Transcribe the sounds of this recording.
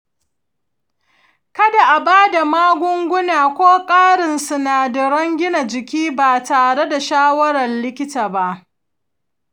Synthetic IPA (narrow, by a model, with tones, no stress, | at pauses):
kɐ˦da˨ʔa˨baː˦da˨maː˦ɡʷʊ˦ŋɡʷʊ˦naː˨kʷoː˦kʼaː˦ɽɪ˨nsʊ˨naː˨dɐ˨ɽɐ˦ŋɡʲɪ˦na˨d͡ʒɪ˨kʲiː˦baː˨taː˨ɽe˦da˨ʃaː˦wɐ˦ɽɐ˨nlɪ˦kʲɪ˦taː˨ba˦ʔ